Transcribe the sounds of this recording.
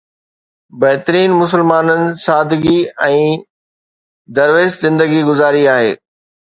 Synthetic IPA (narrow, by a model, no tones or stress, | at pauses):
bɐɦɪt̪əɾiːnmʊs̬əlmaːnənɪ̆saːd̪ɡiɛ̃ː | d̪ɐɾʋeːszɪ̃nd̪əɡiɡʊzaːɾiaːɦḛː